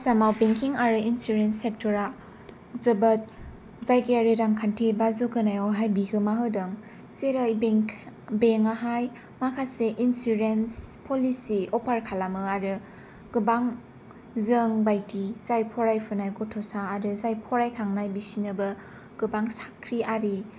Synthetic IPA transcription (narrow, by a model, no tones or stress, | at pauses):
samawbeŋkiŋaɾɯinsuɾensek̚tʰɔɾa | zɯbat̚ | zajkeaɾeɾaŋkʰantʰebazokɯnajɔɦajbiɡʰɯmaɦɯdɯŋ | seɾajbeŋ | beŋaɦaj | makʰaseʔinsuɾenspʰɔlisiɔpʰaɾkʰalamɯaɾɯ | ɡ̥ɯbaŋ | zɯŋbajtiz̥ajpʰɔɾajpʰɯnajɡɔtʰɔsaːɾɯzajpʰɔɾajkʰaŋnajbisinɯbɯ | ɡ̥ɯbaŋsḁkʰɾiaɾi